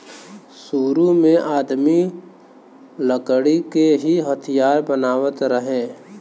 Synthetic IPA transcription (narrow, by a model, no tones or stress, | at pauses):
suːɾumẽʔaːd̪mi | ləkəɽikeɦiɦət̪ʰijaːɾbənaːwət̪ɾəɦeː